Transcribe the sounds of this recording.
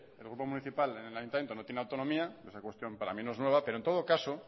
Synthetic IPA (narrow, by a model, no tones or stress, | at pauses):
elɣɾupo̞muniθipalenelajunt̪amjent̪o̞not̪jenawt̪onomiaesakwe̞st̪jo̞mpaɾa̰minoe̞znwe̞β̞ape̞ɾont̪o̞ðo̞kaso